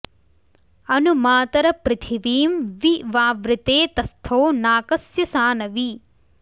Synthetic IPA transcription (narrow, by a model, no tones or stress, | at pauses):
ɐnumaːt̪ɐɾɐpɾɪt̪ʰiʋiːmʋiʋaːʋɾɪt̪eːt̪ɐst̪ʰoːnaːkɐsjɐsaːnɐʋi